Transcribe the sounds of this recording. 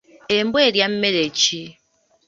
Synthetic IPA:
embweɾjam̩melet͡ʃi

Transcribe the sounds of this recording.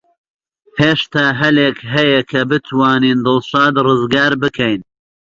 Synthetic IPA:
heːʃt̪aːɦɐleːkɦɐjɐkʰɐbɨt̪ʰwaːniːnd̪ɨlʃɑːd̪rɨzɡaːɾbɨkʰɐjn

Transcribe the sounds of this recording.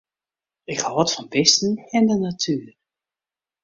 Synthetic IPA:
ɪkhɔɔtfɔnbɪstn̩ɛndənatʰyːər

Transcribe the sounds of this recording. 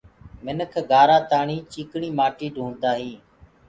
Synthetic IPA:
mɪnəkʰɡaːɾaːt̪aːɳiːt͡ʃiːkɳiːmaːʈiːɖʱũːnd̪aːɦiː

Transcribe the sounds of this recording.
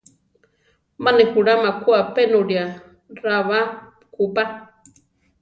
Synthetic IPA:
manehuɺamakuapenoɾia | ɾaβa | kupa

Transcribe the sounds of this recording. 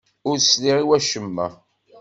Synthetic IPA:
ʊɾsliʁiwæʃəmːæ̰

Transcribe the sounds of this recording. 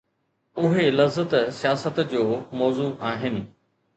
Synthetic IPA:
ʊɦelɐzət̪sijaːsət̪d͡ʑoːmɔːzuʔaːɦɪnɪ̆

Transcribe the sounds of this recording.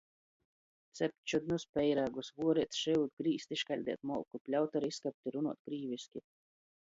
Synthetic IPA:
t̪sʲɛp̚ʲt͡ʃud̪nuspʲɛjɾaːɡusvuɔɾɛt̪sʃɛjuːd̪ɡɾiːst̪iʃkalʲd̪ʲḭɛt̪mɔ̰wkupʲlʲawt̪aɾiskap̚ʲt̪ʲiɾunuɔt̪̚ɡɾiːviskʲi

